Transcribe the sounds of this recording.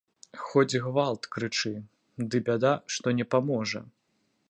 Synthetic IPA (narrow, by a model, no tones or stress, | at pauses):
xɔd͡zʲɣvalˠt̪kɾɨt͡ʂɨ | d̪ɨbʲad̪aʂt̪ɔnʲɛpamɔʐɐ̰